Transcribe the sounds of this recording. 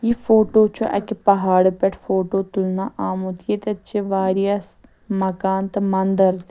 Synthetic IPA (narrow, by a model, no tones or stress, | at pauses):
jifoːʈoːt͡ʃʰoʔɐ̰kipɐɦaːɽpɛʈʰfoːʈoːt̪ʊlnaːʔaːmut̪ʰijet̪ɐt͡ʃʰeʋaːɾijas | mɐkaːnt̪ɐmɐnd̪əɾt̪